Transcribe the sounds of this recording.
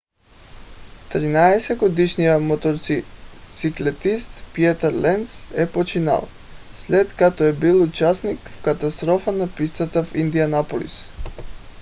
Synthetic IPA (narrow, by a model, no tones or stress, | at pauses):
t̪ɾinaɛsɛɡod̪iʃnijamɔt̪ɔɾit̪siklɛt̪ist̪piɛt̪ɛɾlɛnsɛpot͡ʃina̰lˠ | slɛt̪kat̪ɔɛbilˠut͡ʃasnikfkat̪ast̪ɾɔfanapist̪at̪afind̪ianapolḭs